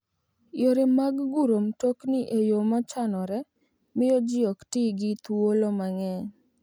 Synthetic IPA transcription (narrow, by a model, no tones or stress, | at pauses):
joɾɪmaɡɡuɾomtoknɪʔejomat͡ʃanɔɾɛ | mɪjɔd͡ʒɪɔktiɡɪt̪wolomaŋɛ